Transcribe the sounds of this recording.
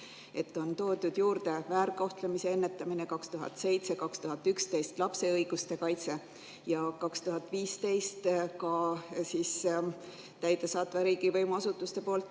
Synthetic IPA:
e̞t̪ːˑo̞nt̪o̞ːd̪ud̪̥juːɾd̪̥e̞væːɾko̞ht̪lemise̞e̞nːe̞t̪ːˑɑmine̞kɑkst̪uɦɑ̰t̪ˑse̞jt̪se̞kɑkst̪uɦɑt̪ːˑykst̪e̞jst̪lɑpse̞ɤjɡ̥ust̪e̞kɑjt̪se̞ | jɑkɑkst̪uɦɑt̪ˑviːst̪e̞jst̪kɑsis | t̪æjd̪̥e̞sɑːt̪veɾiːɡ̥ivɤjmɑsut̪ːˑust̪e̞po̞ːlt̪ːˑ

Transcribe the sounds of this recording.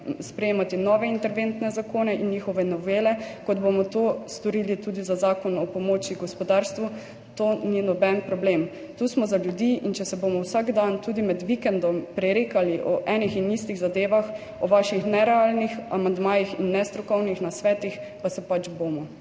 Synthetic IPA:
spɾɛjeːmat̪inɔʋɛint̪ɛɾʋent̪nɛzakoːnɛʔinjixɔʋɛnɔʋeːlɛkɔd̪bomɔt̪oːst̪ɔɾiːlit̪uːd̪izazaːkɔnɔpɔmoːt͡ʃiɡɔspɔd̪aːɾst̪ʋu | t̪oːninɔbɛnpɾɔbleːm | t̪uːsmɔzaljud̪iʔint͡ʃɛsɛbomɔwsaɡd̪ant̪uːd̪imɛd̪ʋikɛnd̪ɔmpɾɛɾeːkaliʔɔ̰ʔɛːnixinist̪iɣzad̪eːʋax | ɔʋaʃixnɛɾɛalnixamand̪maːjixinːɛst̪ɾɔkɔwnixnasʋɛːt̪ix | pasɛpat͡ʃboːmɔ

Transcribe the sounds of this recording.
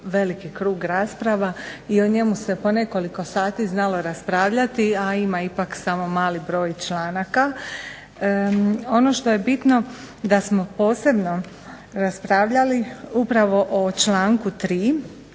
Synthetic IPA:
ʋe̞likikɾuːɡɾaːspɾaʋaio̞ɲe̞muse̞po̞ne̞ko̞liko̞saːt̪iznalo̞ɾaspɾaːʋʎat̪iaimaipaksamo̞maːlibɾo̞ːjt͡ʃlaːnaka | o̞no̞ʃt̪o̞je̞bit̪no̞ | d̪asmo̞po̞ːse̞bno̞ | ɾaspɾaːʋʎaliupɾaʋo̞ʔot͡ʃlaːŋkut̪ɾiː

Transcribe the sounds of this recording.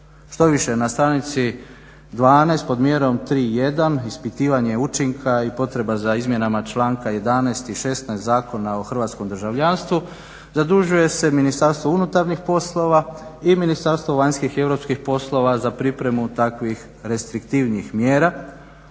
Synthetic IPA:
ʃt̪o̞ʋiʃe̞nast̪ɾanit̪si | d̪ʋaːnɛjst̪po̞d̪mje̞ɾo̞mt̪ɾiːje̞d̪anispit̪iːʋaɲe̞ut͡ʃiŋkʰaipo̞t̪ɾe̞bazaizmje̞namat͡ʃlˠaːŋkaje̞d̪anɛjst̪iʃe̞st̪naest̪zaːko̞naoxr̩ʋaːt̪sko̞md̪ɾ̩ʒaʋʎanst̪ʋu | zad̪ɾuʒuje̞se̞minist̪aɾst̪ʋo̞unut̪aɾnixpo̞slˠo̞ʋaiminist̪aɾst̪ʋo̞ʋaɲskixie̞ʋɾo̞pskixpo̞slˠo̞ʋazapɾipɾe̞mut̪akʋix | ɾe̞st̪ɾikt̪iʋniixmjeːɾa

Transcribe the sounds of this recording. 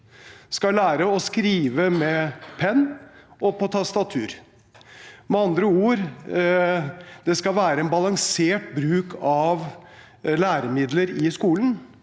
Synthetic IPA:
skɑlæːɾəɔskɾiːʋəmɛpʰɛnːʔɔpʰɔt̪ʰɑst̪ɑt̪ʰʉːɾ | mɛɑnd̪ɾəuːɾ | d̪̥ɛskɑlʋæːɾəɛnbɑlɑŋseːʈ̚bɾʉːkʰɑʋ | læːɾəmɪd̪ləɾɪskuːlən

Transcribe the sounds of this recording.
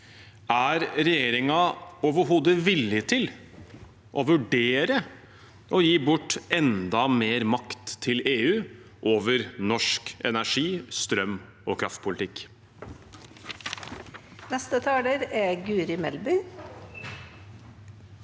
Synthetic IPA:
ʔæɾɾɛjeːɾɪŋɑoːʋəɾɦoːd̪əʋɪlːɪt̪ʰɪl | ʔɔʋʉɖeːɾə | ʔɔjiːbʊʈːɛnd̪ɑmeːɾmɑkt̪ʰːɪleːʉː | ʔoːʋəɾnɔʂkɛ̰næʂiːst̪ɾœm | ɔkʰɾɑft̪̚pʰʊlɪt̪ɪk | nɛst̪ət̪ʰɑːɖ̪əɾɛɡʉːɾɪmɛlbʏ

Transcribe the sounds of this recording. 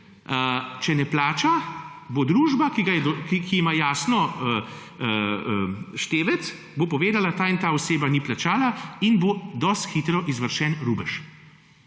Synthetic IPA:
ət͡ʃɛnɛplaːt͡ʃa | bod̪ɾuːʒbakiɡajɛd̪ɔkikiːmajaːsnɔ | əʃt̪eːʋɛt̪s | bopɔʋeːd̪alat̪aːint̪aːɔseːbaniplat͡ʃaːlainbod̪ɔst̪xit̪ɾɔʔizʋəɾʃɛnɾuːbəʃ

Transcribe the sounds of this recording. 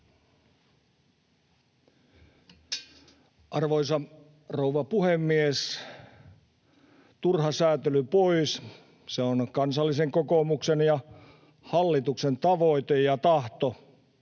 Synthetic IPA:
ʔɑrʋoisɑ | rouʋɑpuhemːies | t̪urhɑsæːt̪elypois | seonkɑnsɑlːiseŋkokomuksenjɑ | hɑlːit̪uksent̪ɑʋoit̪ejɑt̪ɑht̪o

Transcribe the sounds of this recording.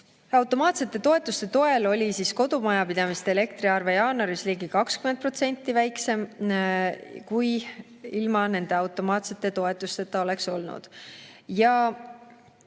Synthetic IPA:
ɑwt̪ːˑo̞mɑːt̪se̞t̪ːˑe̞t̪o̞e̞t̪ːˑust̪e̞t̪o̞e̞lo̞lʲisisko̞d̪̥umɑjɑpid̪̥ɑmist̪eele̞kt̪ɾiɑrve̞jɑːnoɾisliːɡikɑkskyment̪̚pro̞t̪se̞nʲt̪ːivæjkse̞m | kuj | ilmɑne̞nd̪e̞ɑwt̪ːˑo̞mɑːt̪se̞t̪ːˑe̞t̪o̞e̞t̪ːˑust̪e̞t̪ːˑɑo̞le̞kso̞lnṵd̪̥ | jɑ

